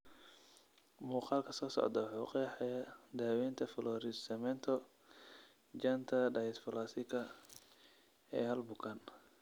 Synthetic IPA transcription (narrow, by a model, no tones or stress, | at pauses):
muːqɑːlkʰɐsɔːsɔ̰ʕd̪ɐwħɑqɛħɛjɐd̪aːwɛːnt̪ʰɐfɔlɔɾɪd̪sɐmɛnt̪ʰɔ | d͡ʒɐnt̪ʰɐɖɐjɪsfɐlaːsɪkʰɐ | ɛ̰ːhɐlbʊkʰɐn